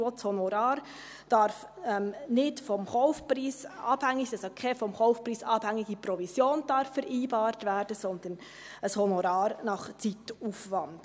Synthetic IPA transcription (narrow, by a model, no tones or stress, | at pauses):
otshɔnoɾɑːɾ | d̥ɑɾf | ɛmnɪtfɔmhɔʊfpriːsɑb̥hɛŋːɪçd̥ɑsokʰeːfɔmhɔʊfpriːsɑb̥hɛŋɪɡəpɾɔvizjoːnd̥ɑɾfɛɾʔiːbɑːɾtvɛːɾd̥əsɔnd̪ən | əshɔnoɾɑːɾnɑχt͡siːtuːfʋɑnd̥